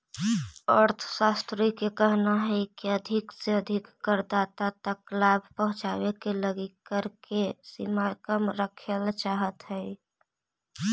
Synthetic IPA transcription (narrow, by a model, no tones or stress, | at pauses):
əɾt̪ʰsast̪ɾikekəɦnaɦɛkiəd̪ʱɪkseəd̪ʱɪkːəɾd̪at̪at̪əklabʱpəɦʊ̃t͡ʃaːwekeləɡikːəɾkesḭmakəmɾəkʰelt͡ʃaːɦət̪ɦɛɛ